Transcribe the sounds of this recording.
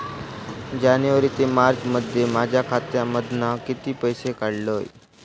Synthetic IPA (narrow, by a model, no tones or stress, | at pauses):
d͡ʑanjəʋəɾiːt̪emaɾɡməd̪ʱːjemad͡ʑʱjakʰat̪jaməd̪ʱnakit̪iːpəjsekaɽloj